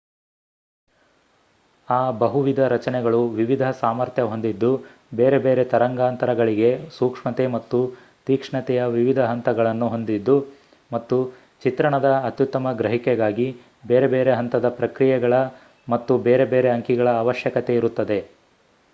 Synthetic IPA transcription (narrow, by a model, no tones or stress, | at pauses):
aːbɐɦuʋid̪ʱɐɾɐt͡ʃɐnɛɡɐɭuʋiʋid̪ʱɐsaːmɐɾt̪ʰjɐɦo̞nd̪id̪ːu | beːɾe̞beːɾe̞t̪ɐɾɐŋɡaːnt̪ɐɾɐɡɐɭiɡe̞suːkʂmɐt̪e̞mɐt̪ːu | t̪iːkʂɳɐt̪ɛjɐʋiʋid̪ʱɐɦɐnt̪ɐɡɐɭɐnːuɦo̞nd̪id̪ːu | mɐt̪ːu | t͡ʃit̪ɾɐɳɐd̪ɐːt̪jut̪ːɐmɐɡɾɐɦikɛɡaːɡi | beːɾebeːɾeɦɐnt̪ɐd̪ɐpɾɐkɾijɛɡɐɭɐ | mɐt̪ːubeːɾebeːɾe̞ɐŋkiɡɐɭɐːʋɐʃjɐkɐt̪e̞iɾut̪ːɐd̪e̞